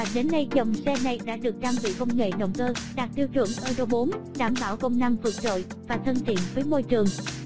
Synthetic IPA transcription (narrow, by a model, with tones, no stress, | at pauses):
a˨˩ɗe˨˦nːə˧jzə˨˩wŋ͡msɛ˧na˨˩jɗa̰ː˧˥ɗɨ˨˩ək̚ɗaː˧mɓḭ˧˩kə˧wŋ͡mŋḛ˧˨ɗə̰˧˨wŋ͡mkəː˧ɗa˨˩k̚t̪i˧əwt͡ɕwɨ̰˧˩əŋʔəː˧ɗo˧ɓo˨˦nɗaː˧˩mɓaː˧˩wkə˧wŋ͡mna˧mvɨ˨˩k̚t͡ɕo̰˧˨j | vaː˨˩t̪ʰə˧nt̪ʰḭ˧˨ənvəː˨˦jmo˧jt͡ɕɨ˨˩əŋ